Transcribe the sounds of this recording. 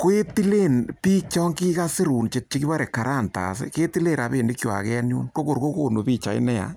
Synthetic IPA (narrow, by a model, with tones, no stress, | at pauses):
ko˦e˦ti˦le˦npi˦k̚t͡ʃɔ˦ŋki˦ka˦sɪ˦ɾu˨nt͡ʃe˨t͡ʃi˦ki˦ba˦ɾe˨ka˨ɾa˦˨nta̰˨sḛ˦ke˦ti˦le˦˨ɾa˨peː˨ndi˦kjwa̰˨kɛ˦nṵː˦nko˦ko˨ɾko˦ko˦˨no˨piː˦t͡ʃa˨ḭ˦nɛ˦ja̰˨